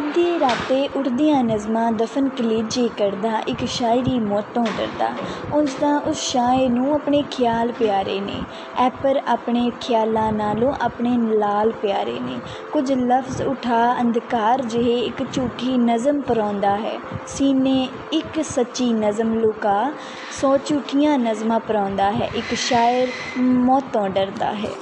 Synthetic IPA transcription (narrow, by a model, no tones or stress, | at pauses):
d̪eːɾaːt̪eːʔʊʈʰd̪ɪjãːnəzmãːd̪əfʰənkəliːd͡ʒiːkəɾd̪aːʔɪkʃaːɪɾiːmɔːt̪ːõːd̪ə̰ɾd̪a̰ːʊsd̪ãːʔʊsʃaːeːnũːapɳeːkʰjaːlpɪjaːɾḛːnḛː | ɛːpəɾaːpɳeːkʰɪjaːlãːnaːlõːʔaːpɳeːlaːlpɪjaːɾḛːnḛː | kʊd͡ʒləfʰzʊʈʰaːə̃nd̪kaːɾd͡ʒɪɦeːɪkt͡ʃuːʈʰːiːnəzəmpəɾɔ̃ːnd̪aːɦɛ̰ːsiːnẽː | ɪksətːʃiːnəzəmloːkaː | sɔːt͡ʃuːʈʰːijãːnəzmãːpəɾɔ̃ːnd̪aːɦɛ̰ːʔɪkʃaːjəɾ | mɔːt̪õːɖəɾd̪a̰ːɦɛ̰ː